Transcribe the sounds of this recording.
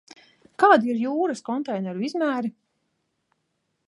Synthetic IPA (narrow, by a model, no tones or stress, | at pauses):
kaːd̪iɾjuːɾɐskɔnt̪ɛjnɛɾuizmæːɾi